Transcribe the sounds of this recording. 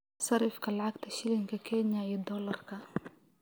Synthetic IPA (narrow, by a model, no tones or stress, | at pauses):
sɑɾɪfkalʕakt̪aʃɪlɪŋkakʰɛnjajɛd̪ɔlɑrˤkʰa